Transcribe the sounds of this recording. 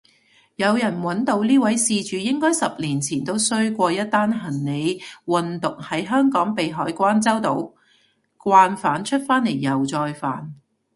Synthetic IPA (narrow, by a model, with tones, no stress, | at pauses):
jɐ˨˧wjɐ˨˩nwɐ˨˥nt̪o˧wliː˥wɐ˨˥jsiː˧t͡ʃyː˨˧jɪ˥ŋkɔː˥jsɐ˨p̚liː˨˩nt͡sʰiː˨˩nt̪o˥wsɵ˥ɥkʷɔː˧jɐ˥t̪̚ːaː˥nɦɐ˨˩nːe˨˧jwɐ˨nt̪ʊ˨k̚hɐ˨˥jɦœː˥ŋkɔː˨˥ŋpe˨jɦɔː˨˥jkʷaː˥nt͡sɐ˥wt̪o˨˧w | kʷaː˧nfaː˨˥nt͡ʃʰɵ˥t̚faː˥nle˨˩jːɐ˨˩wt͡sɔː˧jfa̰ː˨˩n